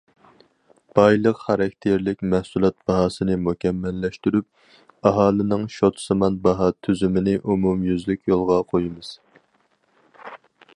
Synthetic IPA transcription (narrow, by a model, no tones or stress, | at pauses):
b̥ɑjlˠəqχɑɾɑkʲt̪ʰeɾlɪkʲmɛhsulˠɑt̪̚b̥ɑɦɑːsɨnɪmukʲʰɛmːɛlːɛʃt̪yɾyp̚ | ɑɦɑːlˠɨnɨŋʃot̪ʰsɨmɑnbɑɦɑt̪ʰyzymɪnɪʔumumjyzlykʲʰjolˠʁɑqʰojɨmɨz̥